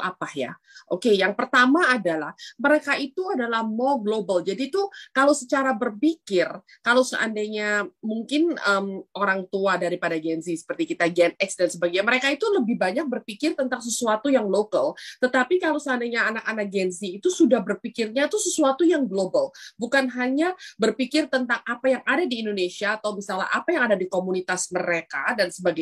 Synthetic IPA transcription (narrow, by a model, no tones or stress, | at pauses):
apahja̰ | ʔokejaŋpərt̪amaːdalahməɾekait̪uadalahmoɡlobald͡ʒadiːt̪ukalowsət͡ʃaɾabərpikɪr | kalowsə̰ʔa̰ndaɲamuŋkɪnəmʔoɾaŋt̪uadaɾipadaɡɛnzisə̥pərt̪ikit̪aɡɛnɛksdansəbaɡiɲaməɾekait̪uləbɪhbaɲak̚bərpikɪrt̪ənt̪aŋs̬əsuat̪ujaŋlokəlt̪ət̪apikalowsəandaɲaːnakanak̚ɡɛnziːt̪usudahbərpikɪrɲat̪usəsuat̪ujaŋɡlobalbukanɦalɲabərpikɪrt̪ənt̪aŋapajaŋadadiːndonesiaːt̪awmisala̰ʔapajaŋadadikomunit̪asməɾekadansəbaɡa